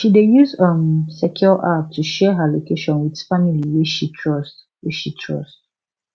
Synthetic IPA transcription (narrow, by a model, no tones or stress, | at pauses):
ʃidejuzə̃msɛkʰjɔlʔap̚tʰuʃɛɦəlokʰeʃɔ̃nwidfamiliwiʃitʰɹɔst | wiʃitʰɹɔ̰st